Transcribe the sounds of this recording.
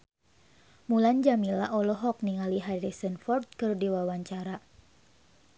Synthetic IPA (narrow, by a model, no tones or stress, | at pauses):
muland͡ʒamilaʔɔlɔɦɔk̚niŋaliɦaɾisənfɔrt̪̚kɨrdiwawaɲt͡ʃaɾa